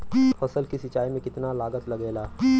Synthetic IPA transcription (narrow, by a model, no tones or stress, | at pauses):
fɐsəlkisɪt͡ʃaːimẽkɪt̪nalaːɡət̪lɐɡeːlaː